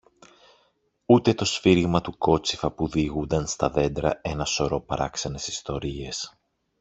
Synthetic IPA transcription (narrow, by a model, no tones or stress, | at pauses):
ut̪e̞t̪o̞sfiɾiɣmɐt̪uko̞t͡si̥fɐpuðiɣund̪ɐnst̪ɐðe̞nd̪ɾɐ̰e̞nɐso̞ɾo̞pɐɾɐ̰ksɐne̞sist̪o̞ɾie̞s